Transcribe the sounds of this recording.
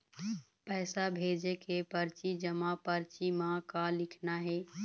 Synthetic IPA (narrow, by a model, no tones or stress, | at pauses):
pɛːsabʱed͡ʒekepəɾt͡ʃid͡ʒəmapəɾt͡ʃimãkalɪkʰnaɦɛ